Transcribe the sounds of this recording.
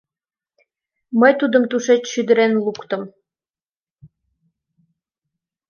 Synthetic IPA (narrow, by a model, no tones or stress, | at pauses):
məjt̪ud̪əmt̪uʃet͡ɕʃyd̪əɾenlukt̪ə̆m